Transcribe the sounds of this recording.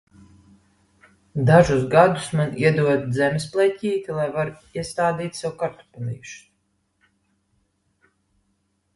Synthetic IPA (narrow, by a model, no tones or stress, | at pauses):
d̪aʒusɡad̪usmaniɛd̪uɔd̪zɛmʲɛsplˠɛcʲiːt̪ʲilˠajvaɾiɛst̪aːd̪iːt̪ʲsɛwukaɾt̪u̥pʲɛlʲḭːuʃ